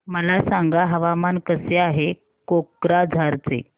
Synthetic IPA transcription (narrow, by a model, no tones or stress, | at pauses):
məlasaŋɡaɦəʋamankəseaɦe | kokɾad͡zʱaɾt͡sḛ